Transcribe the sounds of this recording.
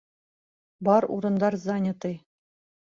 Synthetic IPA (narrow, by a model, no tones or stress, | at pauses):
bɑɾṵɾɤ̆nd̪ɑɾzanʲɪt̪ɤj